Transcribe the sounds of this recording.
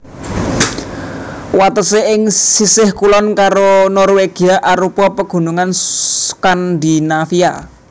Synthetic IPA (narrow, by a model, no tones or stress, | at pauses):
wat̪əseɪŋsisɪhkulɔnkaɾonɔrweɡ̥i̤aʔaɾupɔpəɡ̥ṳnuŋanskand̪inafia